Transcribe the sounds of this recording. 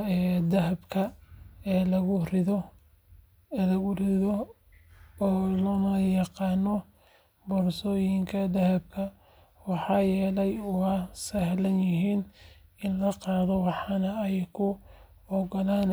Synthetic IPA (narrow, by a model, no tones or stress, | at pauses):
ɛːd̪ɐɦɐbkʰɐɛːlɐɣʊrɪðɔ | lɐɣʊrɪðɔ | lɔːnɐjɑqɑːnːɔ | bɔrsɔːjɪŋkʰɐd̪ɐɦɐb̚kʰɐ | wɑħɑːjɛːlɛjʊɐsɐɦlɐnjɪɦiːn | ɪnlɐqɑːðɔwɑħɑnɐɛjkʰʊ | ɔɡɔlaːn